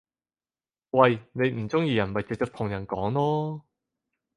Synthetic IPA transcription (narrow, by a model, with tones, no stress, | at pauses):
wɐ˨jne˨˧jm̩˨˩t͡sʊ˥ŋjiː˧jɐ˨˩nmɐ˨jt͡sɪ˨k̚t͡ʃəː˥t̪ʰʊ˨˩ŋjɐ˨˩nkɔː˨˥ŋlɔː˥